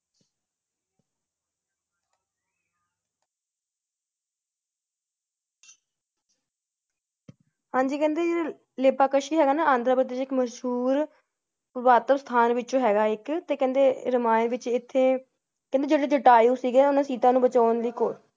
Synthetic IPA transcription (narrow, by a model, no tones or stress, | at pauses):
hãːɲd͡ʒiːkɛ̃ːnd̪eːd͡ʒeːe | leːpaːkəʃiːɦɛːɡaːnaːãːnd̪ɾaːpɾət̪̬eːt͡ʃɪkməʃɦuːɾ | pəbaːt̪əbst̪ʰaːnʋɪt͡ʃõːɦɛːɡaːɪkt̪eːkɛ̃ːnd̪eːɾəmaːẽːʋɪt͡ʃɪt̪ʰːeː | kɛ̃nd̪eːd͡ʒeːɽeːd͡ʒəʈaːjũːsiːɡeːʊnãːsiːt̪ãːnũːbət͡ʃaːənd̪iːkoːɾ